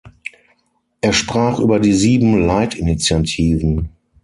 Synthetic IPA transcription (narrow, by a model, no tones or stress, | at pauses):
ʔeːɐʃpʁ̥aːχʔyːbɐdiːziːbm̩laɪtɪnit͡sjatʰiːvn̩